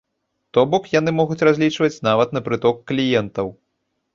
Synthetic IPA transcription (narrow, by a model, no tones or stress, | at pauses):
t̪ɔbɔkjanɨmɔɣut͡sʲrazʲlʲit͡ʂvɐt͡sʲnavɐt̪nɐpɾɨt̪ɔkːlʲijɛnt̪ɐw